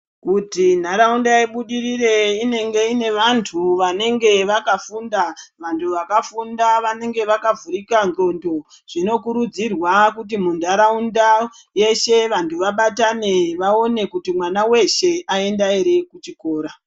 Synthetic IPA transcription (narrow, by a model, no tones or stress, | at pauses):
kutindaɾaundaiɓuɗirire̞ine̞ŋɡe̞ine̞ʋantʰuʋane̞ŋɡe̞ʋakafundaʋantʰuʋakafundaʋane̞ŋɡe̞ʋakavuɾikand͡ɮo̞ndo̞ | ʐ̥ino̞kuɾud͡zirwakut̬imundʱaɾaunda | je̞ʃe̞ʋantuʋaɓataneʋao̞ne̞kutimwanawe̞ʃe̞ae̞ndaeɾe̞kut͡ʃiko̞ːɾa